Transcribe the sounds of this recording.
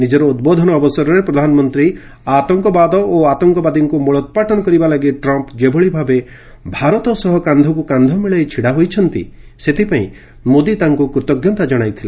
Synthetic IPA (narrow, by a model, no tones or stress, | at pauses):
nid͡ʒɔɾɔud̪̚bod̪ʱɔnɔːbɔsɔɾɔɾepɾɔd̪ʱanɔmɔnt̪ɾi | at̪ɔŋkɔbad̪ɔʔoat̪ɔŋkɔbad̪iŋkumɔɭɔt̪̚paʈɔnɔkɔɾibalaɡiʈɾɔmpd͡ʒebʱɔɭibʱabe | bʱaɾɔt̪ɔsɔɦɔkand̪ʱɔkukand̪ʱɔmiɭɔjt͡ʃʰiɽaɦojt͡ʃʰɔnt̪ḭset̪ʰipaḭ̃ | mod̪it̪aŋkukɾut̪ɔɡjɔt̪ad͡ʒɔɽ̃ajt̪ʰila